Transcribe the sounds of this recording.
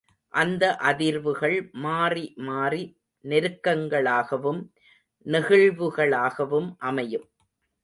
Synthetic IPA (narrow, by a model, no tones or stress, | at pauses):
ʔɐnd̪ɐʔɐðɪɾʋɯɣɐɭmaːrimaːri | nɪɾɯkːɐŋɡɐɭaːɣɐʋɯm | nɪɣɪɭʋɯɣɐɭaːɣɐʋɯmʔɐmɐjɯm